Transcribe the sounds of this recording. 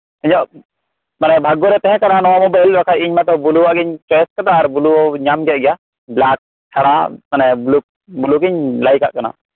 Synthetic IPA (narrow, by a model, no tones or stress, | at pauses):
əɲɔʔ | manɛbʱaɡɔɾɛt̪ɛɦɛ̃kaɾanɔwamɔbajlbakʰajiɲmat̪ɔbuluwaʔɡiɲt͡ʃɛskad̪aːɾbuluɔɲamɡɛɡɛja | blak̚ | tʰaɽamanɛbluk̚ | buluɡiɲlajka̰ʔkana̰